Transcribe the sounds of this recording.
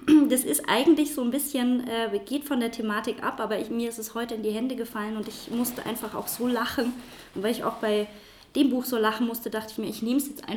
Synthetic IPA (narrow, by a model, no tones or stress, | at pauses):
d̥asɪstʔa̰ɪɡŋ̩tlɪçz̥oːnbɪsçənʔɛːɡ̥eːtfɔndeːɐtʰemaːtɪkʔa̰pʔaːbɐmiːɐɪstɛshɔʏtəɪndiːɦɛndəɡəfalənʊntɪçmʊstəʔa̰ɪnfaχa̰ʊxz̥oːlaχn̩ | ʔʊntv̥aɪɪça̰ʊxb̥aɪ | d̥eːmbuːxz̥oːlaχn̩mʊstədaχtəɪçmiːɐɪçneːməsjɛt͡stʔa̰ɪ